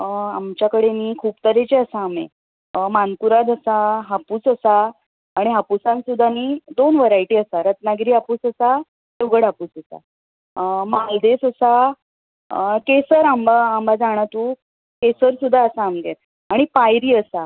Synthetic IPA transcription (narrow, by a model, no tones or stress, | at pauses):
amt͡ɕjakəɽeniːkʰuːpt̪əɾet͡ɕeəsaːmḛ | mankuɾad̪əsaɦapuːsəsaː | ɽ̃iɦapusãnsud̪ʱːaniːd̪onʋəɾajʈiːəsaɾət̪naɡɾiːɦapuːsəsa | ewɡəɽapuːsəsa̰ | mald̪esəsa | kesəɾambaambad͡zaɽ̃at̪uː | kesəɾsud̪ʱːaəsaːmɡ̪et̪ | aɽ̃ipajɾiːəsa